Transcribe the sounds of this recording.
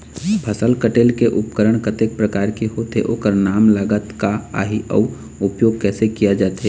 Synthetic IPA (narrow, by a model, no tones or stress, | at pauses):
pʰəsəlkəʈeːlkeʔʊpkəɾəɽ̃kət̪ek̚pɾəkaːɾkeɦoːt̪ḛʔoːkəɾnaːmləɡət̪kaa̰ːɦiʔɔː | ʊpjoːɡ̚kɛːsekijad͡ʒaːt̪ɦeː